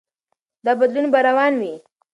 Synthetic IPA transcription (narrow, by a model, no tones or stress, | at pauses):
d̪abad̪lunbaɾawɑnwi